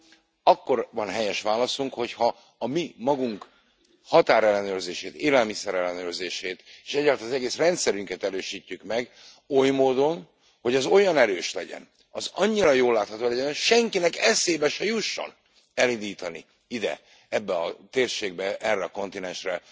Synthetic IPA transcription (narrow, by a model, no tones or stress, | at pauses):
ɒkːo̞rvɒnɦɛjɛʃʋaːlɒsuŋkho̞chɒː | mimɒɡuŋk | hɒt̪aːɾɛlːɛnøːrzeːʃeːt̪eːlɛlmisɛɾɛlːɛnøːrzeːʃeːt̪eːʃɛɟalt̪ɒzɛɡeːsrɛnt̪sɛɾyŋkɛt̪ɛɾøːʃiːcːykmɛɡ | o̞jmoːd̪o̞n | ho̞ɟɒzo̞jɒnɛɾøːʃlɛɟɛ̰n | ɒzɒɲːiɾɒjoːlːaːt̪hɒt̪oːlɛɟɛnʃɛŋkinɛkɛseːbɛʃɛjuʃːo̰n | ɛlind̪iːt̪ɒnḭ | id̪ɛ̰ | ɛbːɛɒt̪eːrʃeːɡ̚bɛʔɛrːɛɒko̞nt̪inɛnʃrɛ